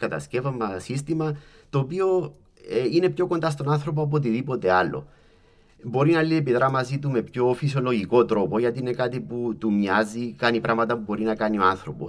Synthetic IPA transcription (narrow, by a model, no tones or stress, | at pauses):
kɐt̪ɐ̰sce̞vɐmɐsist̪imɐ | t̪oːpio̞ | eine̞pço̞ko̞nd̪ɐs̬t̪o̞nanθɾo̞p̬oap̬ot̪̬iðipo̞t̪e̞alːʔo̞̰ | bo̞ɾinɐliepiðɾɐmɐzit̪ume̞pço̞fisjo̞lo̞ʝiko̞t̪ɾo̞po̞ʝɐt̪iine̞kat̪iput̪umɲazikɐnipɾɐvmɐt̪ɐpubo̞ɾinɐkɐnio̞anθɾo̞po̰s